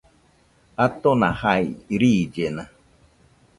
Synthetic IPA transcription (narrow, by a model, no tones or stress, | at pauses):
at̪onãhajɾiːd͡ʒena